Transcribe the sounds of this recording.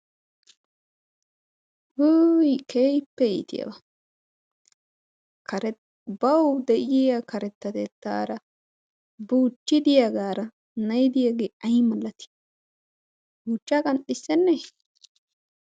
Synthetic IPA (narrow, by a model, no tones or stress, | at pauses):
hujkʰeːjpːɛjḭːt̪ɪ̰jɐ̰bɐ | kɐɾɛ | bɐwd̪ɛʔɪjakɐɾɛt̪ːɐt̪ɛt̪ːa̰ːɾɐ | buːt͡ʃːɪd̪ɪjɐɡaːɾɐ | nɐjd̪ɪjaːɡeːɐjmɐlːɐt̪ɪ̥ | buːt͡ʃːakʼɐnɗɪsːɛnːɛ